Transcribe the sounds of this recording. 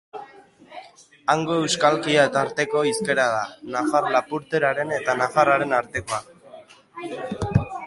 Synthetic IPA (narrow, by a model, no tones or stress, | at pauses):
aŋɡo̞e̞wskalkiaet̪aɾt̪e̞ko̞iske̞ɾað̞anafarlapuɾt̪e̞ɾaɾe̞ne̞t̪anafaraɾe̞naɾt̪e̞ko̞a